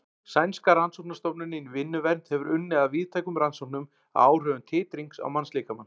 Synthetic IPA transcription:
sajnskaɾansowpnast̪ɔwpnɪnɪnvɪnːʏvɛnt̪hɛvʏɾʏnːɪaðviːð̥t̪ʰaːjkʏmɾansowp̚nʏm | a̰ːwr̥œːvʏnt̪ʰɪːt̪ɾiŋksa̰wmansliːkamanː

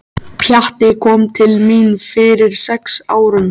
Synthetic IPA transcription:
pʰjaht̪ɪkʰɔːmt̪ʰɪlminfɪɾɪɾ̥sɛksaːwɾʏn

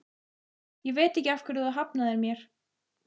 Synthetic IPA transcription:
jɛɣveːt̪ɛhcːɪafkvɛɾθuðaɦapnaðɛɾmjɛɾ̥

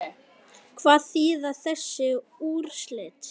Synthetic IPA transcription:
kʰvaːðθiːðaθɛsːɪuːɾ̥slɛːt̪

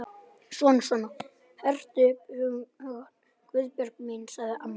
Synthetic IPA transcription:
sɔnsɔna | hɛr̥t̪ʏphʏhʏɣa | kvʏðpjœɾkminsaðɪʔam

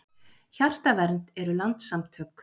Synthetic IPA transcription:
çar̥t̪avɛɾnt̪ɛɾʏlant̪samt̪ʰhœk

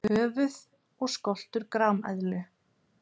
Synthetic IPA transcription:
œːvʏð | ɔɣskɔl̥t̪ʏɾkɾawmɛ̰ðlʏ

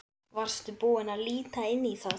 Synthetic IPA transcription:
var̥st̪ʏpoːɪnaðliːt̪aɪnːiθa

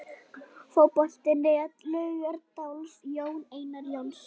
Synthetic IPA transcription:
foːwpɔl̥t̪ɪnɾeat̪lʏːɣœɾt̪awlsjoːwneːjnaɾjowns

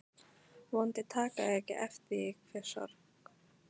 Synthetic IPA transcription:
vɔnt̪ɪt̪ʰaːkaðɛcɪʔɛft̪ɪɪkfɪ̥sa̰ɾ | k

